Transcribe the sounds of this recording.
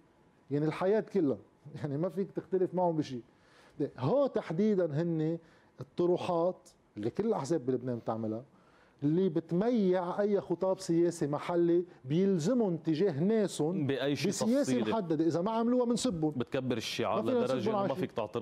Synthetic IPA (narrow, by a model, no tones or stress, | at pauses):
jaʕnilħajeːt̪kɪlːa | jaʕnimafiːkt̪ɪxt̪alɪfmaʕʊmbɪʃiː | eɦoːt̪aħd̪iːd̪anɦɪnːe | ɨt̪ˤːʊɾuːħɑːt̪ | lːikɪlːɪlʔaħzeːbːilʊbneːnt̪ɪʕmɪla | lːibɪt̪majːɪʕʔajːaxʊt̪ˤɑːbsɪjeːsimaħalːebjɪlzɪmʊnt̪ːɪʒeːɦneːsʊnbɪʔajːʃbɪsjeːsimmħad̪ːad̪eʔɪzamaʕamluːwamɪnsɪbːʊnbɪt̪kabːɪɾɪʃːḭʕa̰maiːnansɪbːʊnʕamfiːkt̪ɪ̰ʕt̪